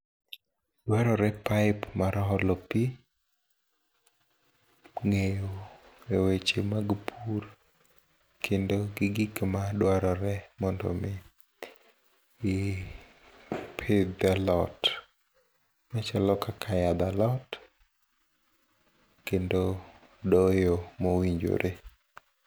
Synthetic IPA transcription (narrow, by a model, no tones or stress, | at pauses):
d̥waɾɔɾɛpaɪpmaɾɔɦɔlopi | ŋejoewet͡ʃemaɡpʰur | kʰendoɡɪɡikmadwaɾɔɾɛmɔndɔ̰mɪ | pʰed̪alɔt | mat͡ʃalɔkakʰajad̪alɔt | kendo | dɔjomowiɲd͡ʒo̰ɾʔe